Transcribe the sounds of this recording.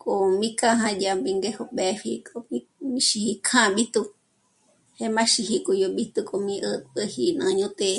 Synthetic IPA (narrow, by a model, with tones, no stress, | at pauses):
kʼo˨mĩ˦ka˦ɦã˧dja˧mbi˧ŋɡe˦ho˧ɓɛ˧ɸi˧kʼo˧mĩ˧ | mĩ˦ʃi˧hi˧kʰã˦ɓi˦t̪u˧ | he˦mã˦ʃi˧hi˧kʼu˧jo˧ɓi˦t̪u˧kʼo˧mĩ˦ʔə˧t̪ə˧hi˧nã̰˧ɲũ˦t̪e˧